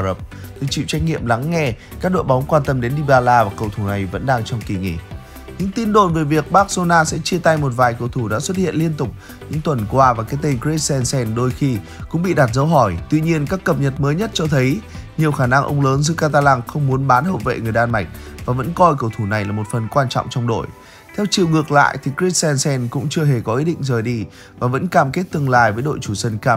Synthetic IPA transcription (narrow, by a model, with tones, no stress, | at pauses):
ə˨˩p̚t̪ʰi˨˩t͡ɕḭ˧˨wt͡ɕa˧jk̟̚ŋḭ˧˨əmla˨˦ŋːɛ˧kaː˦˥k̚ɗo̰˧˨jɓa˨˦wŋ͡mkwaː˧nt̪ə˧mɗe˨˦nɗi˧˩ɓaː˧laː˧vaː˨˩kə˨˩wt̪ʰu˧˩na˨˩jvə̰˧˥nɗaː˧ŋt͡ɕɔ˧wŋ͡mki˨˩ŋḭ˧˨ | ɲɨ̰˧˥ŋt̪i˧nɗo˧˩nve˨˩vi˨˩ək̚ɓaː˦˥k̚zo˧naː˧sɛ̰˧˥t͡ɕi˧ət̪a˧jmo˨˩t̬̚vaː˨˩jkə˨˩wt̪ʰu˧˩ɗa̰ː˧˥swə˦˥t̚hḭ˧˨ənli˧ənt̪ʊ˨˩k͡p̚ | ɲɨ̰˧˥ŋt̪wə˨˩nkwaː˧vaː˨˩kaː˨˦jt̪e˧nkɹe˦sɛ˧nsɛ˧nɗo˧jxi˧kʊ̰˧˥ŋ͡mɓḭ˧˨ɗaː˨˩t̚zə˨˦wɦɔ˧˩jt̪wi˧ɲi˧ənkaː˦˥kːə˨˩p̚ɲə˨˩t̚məː˨˦jɲə˦˥t̚t͡ɕɔ˧t̪ʰə˨˦jɲi˨˩əwxaː˧˩na˧ŋʔə̰˧wŋ͡mləː˨˦nzɨ̰˧˥kaː˧t̪aː˧laː˧ŋxə˧wŋ͡mmu˨˦ənɓaː˨˦nhə̰˧˨nvḛ˧˨ŋɨ˨˩əjɗaː˧nma˨˩jk̟̚vaː˨˩və̰˧˥nkɔ˧jkə˧˩wt̪ʰu˧˩na˨˩jlaː˨˩mo˨˩t̚fə˨˩nkwaː˧nt͡ɕwŋ͡mt͡ɕɔ˧wŋ͡mɗo̰˧˨j | t̪ʰɛ˧wt͡ɕḭ˧˨wŋɨ˨˩ək̚la̰ː˧˨jt̪ʰi˨˩ki˦˥sɛ˧nsɛ˧nkʊ̰˧˥ŋ͡mt͡ɕɨ˧əɦe˧˩kɔ˨˦ʔi˦˥ɗḭ˧˨ŋ̟zəː˨˩jɗi˧ | vaː˨˩və̰˧˥nkaː˧˩mke˦˥t̚t̪ɨ˧əŋla̰ː˧˨jvəː˨˦jɗo̰˧˨jt͡ɕu˧˩sə˧nkaː˧